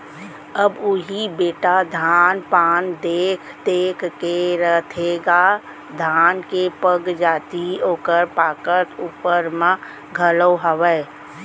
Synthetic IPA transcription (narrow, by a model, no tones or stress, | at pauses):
əbʊɦibeːʈad̪ʱaːnpaːnd̪eːkʰd̪eːkʰkeɾət̪ʰeɡa | d̪ʱaːnkepəɡd͡ʒaːt̪ioːkəɾpaːkəɾt̪uːpəɾmã | ɡʱəloɦəʋɛ